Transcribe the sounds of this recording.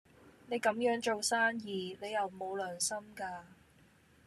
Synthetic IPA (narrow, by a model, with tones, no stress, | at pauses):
ne˨˧jkɐ˨˥mjœː˨˥ŋt͡ʃo˨wsaː˥njiː˨ne˨˧jɐ˨˩wmo˨˧wlœː˨˩ŋsɐ˥mkaː˧